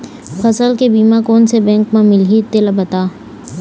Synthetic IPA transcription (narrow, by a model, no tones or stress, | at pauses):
fɐsəlkebiːmakoːnsebɛ̃ːŋkmãmɪlɦiɪt̪ːɪlabɐt̪aː